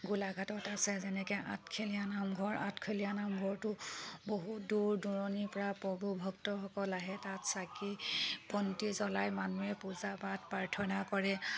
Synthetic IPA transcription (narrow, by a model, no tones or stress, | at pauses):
ɡulaɡʱatɔtasɛzɛnɛkɛʔa̰tkʰelijanamɡʱɔɹa̰tkʰelijanamɡʱɔɹtʊboɦuduɹduɹɔnipɔɹapɔbubʱɔktɔxɔkɔlaɦɛtatsakipɔntizɔlajmanuɛpuzabatpaɹtʰɔnakɔɹɛ